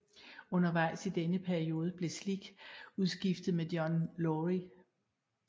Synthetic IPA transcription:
ɔ̽nɐʋɑ̈ɪ̰sid̥enəpʰæɐio̝ːð̞ˠəb̥le̝sliɡ̥uð̞ˠsɡ̥ifd̥ð̩ˠmed̥jɒnlɔʁi

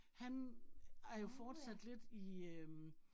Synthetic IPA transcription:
hæn | æɐjo̝fɒːd̥sæd̥le̝d̥iøm

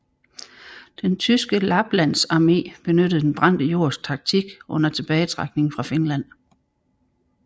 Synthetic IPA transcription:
d̥ent͡sʰysɡ̥əlɑ̈b̥læn̰sɑ̈me̝̰ːb̥e̝nød̥ð̩ˠd̥enb̥ʁɑ̈n̰d̥əjo̝ɐ̰st͡sʰɑ̈ɡ̥̚t͡sʰiɡ̥ʔɔ̽n̰ɐt͡sʰe̝b̥ɛːɪət͡sʰʁɑɡ̥̚ne̝ŋfʁɑ̈fe̝nlæn̰

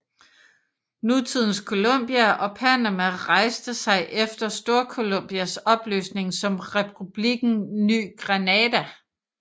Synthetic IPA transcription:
nut͡sʰið̞̰ˠn̩skʰo̝lɔ̽m̰b̥iæʔɒ̽pʰænæmæʁɑ̈ɪsd̥əsɑ̈ɪʔefd̥ɐsd̥o̝ɐkʰo̝lom̰b̥iæsɒ̽b̥lø̰ːsne̝ŋsɒ̽mʁɛpʰub̥liɡ̥n̩ny̰ːɡ̥ʁænɛːdæ

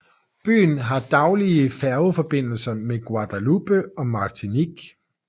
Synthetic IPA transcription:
b̥y̰ːn̩ɦɑ̈d̥ɑ̈ʊliəfæɐʊfɒ̽b̥e̝n̰l̩sɐmeɡ̥wɑ̈d̥ælub̥əɒ̽mɑ̈ːt͡sʰiniɡ̥

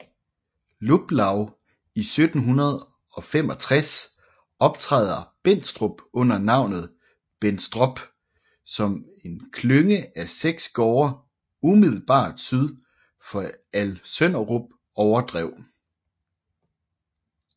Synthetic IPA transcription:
lub̥lɑ̈ʊ | isød̥n̩ɦunɐð̞ˠ | ɒ̽fem̰ɒ̽t͡sʰʁas | ɒ̽b̥t͡sʰʁɑðˠɐb̥en̰sd̥ʁɔb̥ɔ̽n̰ɐnɑ̈ʊ̰nð̞̩ˠ | b̥ensd̥ʁɔ̽b̥ | sɒ̽m | e̝nkʰløŋəæseɡ̥sɡ̥ɒːɐ | umiðˠl̩b̥ɑ̰̈ːd̥syðˠ | fɒ̽ælsønɐʁob̥̚ | ɒʊɐd̥ʁɛʊ̰

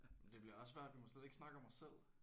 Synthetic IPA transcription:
mend̥e̝b̥liɐɒ̽ssʋæɐ̰d̥ʋimoseðˠeɡ̥snɑ̈ɡ̥əɒ̽mɒsel̰

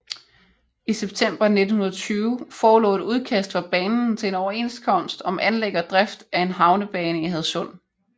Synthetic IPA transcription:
iseb̥̚t͡sʰem̰b̥ɐne̝d̥n̩hunɐð̞̩ˠt͡sʰyːʊfɒːlɔ̰̽ːɾuð̞ˠkʰæsd̥fɑ̈b̥ɛːnn̩t͡sʰe̝e̝nɒʊɐe̝̰nskʰɒ̽n̰sd̥ɒ̽mʔænleɡ̥ɐd̥ʁafd̥æe̝nɦɑ̈ʊnəb̥ɛːnəihæð̞̩ˠsɔ̽n̰

